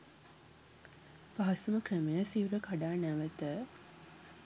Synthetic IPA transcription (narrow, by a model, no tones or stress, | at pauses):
paɦɐsuməkrəmejəsiuɾəkaɖaːnæʋət̪ə